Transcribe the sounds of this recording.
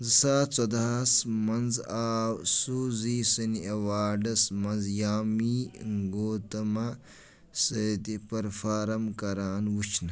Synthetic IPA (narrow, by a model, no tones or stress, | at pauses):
zisaːt͡sod̪asmɐnzaːwsuziːsɐniɐwaːɖɐsmɐnzjaːmiːɡoːt̪ɐmɐ | sɐt̪ipɐɾfaːɾɐmkɐɾaːnwut͡ʃʰn